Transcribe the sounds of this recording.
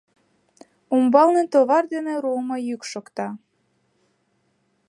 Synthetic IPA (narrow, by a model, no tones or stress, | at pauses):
umbɑlnet̪oβɑrd̪enĕɾumɑjykʃokt̪ɑ